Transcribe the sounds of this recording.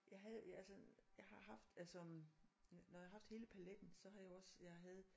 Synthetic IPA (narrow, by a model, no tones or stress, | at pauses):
jɑ̈ɪɦæð̩ˠælsəjɑ̈ɪɦɑ̈ɦɑ̈fd̥ælsɒ | nɒjhɑ̈fd̥he̝ːləpʰæled̥n̩sɒ̽ɦɑ̈jɑɒ̽sjɑɪɦæð̞̩ˠ